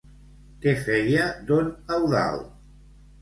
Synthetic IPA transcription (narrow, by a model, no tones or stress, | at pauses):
kefejad̪onawða̰l